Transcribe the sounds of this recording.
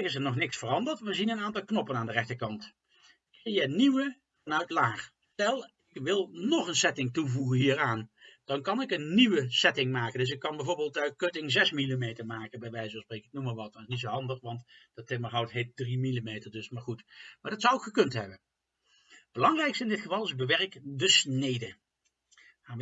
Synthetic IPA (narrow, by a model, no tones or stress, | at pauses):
kɪs̬əɹnɔχnɪksfərɑndəɹtʋəzinənaːntɑlˠknɔpənaːndərɛχtəkɑnt | kjəniwə | vɑnœɥtlaːχstɛlˠ | ɪkʋɪlˠnɔχənsɛtɪŋtuvuχənɦiːraːnd̥ɑnkɑnɪkənːiʋəsɛtɪŋmaːkəndɵs̬ɪkːɑnbɛjvoːɹbeːlˠtɥkøtɪŋzɛsmilimejtəɹmaːkənbɛjʋɛjzəsprejkɪk̚numaːɹʋɑt̚dɑnɪsnitsoɦɑndəχʋɑntd̥ɑtɪməɹɦɑwtɦejt̚drimilimejtəɹdɵsmaːɹχutmaːɹdɑtsɑwokχəkɵntɦɛbən | b̥əlɑŋrɛjkstɪndɪtχəvɑlˠɪzbəʋɛrəkdəsnejdə | a